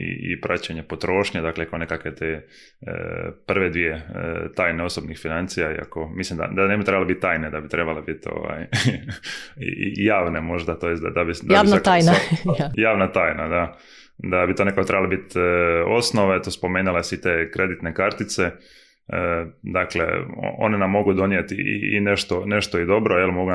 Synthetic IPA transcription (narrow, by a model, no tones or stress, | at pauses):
ḭḭpɾʔat͡ɕeɲepot̪ɾo̞ːʃɲed̪aːklekonekakʋe̞t̪ḛ | pr̩ʋed̪ʋijḛt̪aːjneo̞sobnixfinant̪sijaḭa̰ko̞mislimd̪a̰d̪anebit̪ɾebaleit̪̚t̪ːaːjned̪abit̪ɾe̞balebit̪o̰ʋa̰j | jaːʋnemo̞ʒd̪at̪ojest̪d̪ad̪abid̪jaːinaak̪aːjnaajaːʋnat̪aːjnad̪a | d̪abit̪onekakot̪ɾebalebit̪o̞snoʋet̪ospo̞meːnilesit̪ekɾe̞d̪it̪nekaɾt̪it̪se | d̪aklḛo̰o̞̰nenamːo̞ɡud̪o̞nijet̪ḭḭḭneʃt̪o̞neʃt̪oid̪o̞bɾojelmo̞ɡun